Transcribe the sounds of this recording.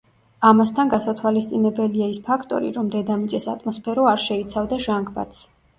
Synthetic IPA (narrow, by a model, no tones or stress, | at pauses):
amast̪ʰanɡasat̪ʰwalist̪sʼinɛbɛliaispʰakʰt̪ʼɔ̰ɾḭɾɔmd̪ɛd̪amit̪sʼɛsat̪ʼmɔspʰɛɾɔaɾʃɛit̪sʰavd̪aʒaŋkʰba̰t̪s